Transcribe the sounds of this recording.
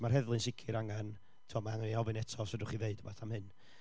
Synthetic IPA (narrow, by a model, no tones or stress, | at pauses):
marhɛðlˠɨnsɪkʰɪɾaŋan | tʰɪɔmaaŋniɔvɨnɛtʰɔsədʊχiveɨdəbaθamhɨn